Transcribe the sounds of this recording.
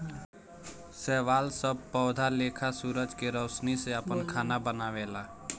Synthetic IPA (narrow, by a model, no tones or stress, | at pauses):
sɛːʋaːlsəb̚ʱpɔːd̪ʱaleːkʰasuːɾəd͡ʒkeɾɔːsniseəpənkʰaːnabənaʋeːlaː